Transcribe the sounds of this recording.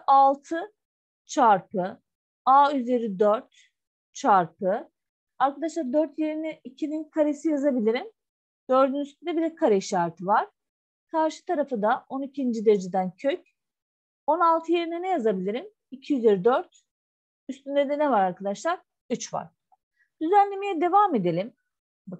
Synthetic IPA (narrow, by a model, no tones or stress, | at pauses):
alˠt̪ʰɯ | t͡ʃʰaɾpɯ | aːyze̞ɾid̪øɾt̪ | t͡ʃʰaɾpʰɯ | aɾkʰad̪aʃlˠaɾd̪øɾt̪je̞ɾinɛicʰininkʰaɾesijazabilʲiɾim | d̪̥ø̞ɾd̪ynyst̪ʰynd̪ɛbilɛkʰaɾeʃaɾt̪ʰɯvaɾ̥ | kʰaɾʃɯ̥t̪ʰaɾafɯd̪aʔo̞nicʰind͡ʒid̪eɾd͡ʒed̪æncʰøc | o̞nalˠt̪ʰɯje̞ɾinɛnɛjazabilʲiɾim | icʰijyze̞ɾid̪øɾt̪ | yst̪ynd̪ed̪ɛnɛvaɾaɾkʰad̪aʃlˠaɾ | yt͡ʃva̰ɾ | d̪̥yzænlːʲe̞mijɛd̪e̞vaːme̞d̪e̞lʲim | ba